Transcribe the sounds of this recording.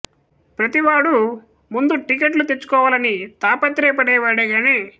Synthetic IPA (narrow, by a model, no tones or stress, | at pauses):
pɾɐt̪iʋaːɽu | mund̪uʈikeʈlut̪et͡ʃːu̥kɔːʋaːlɐnit̪aːpɐt̪ɾɛːpɐɽɛːʋaːɽɐɡaːne̞ː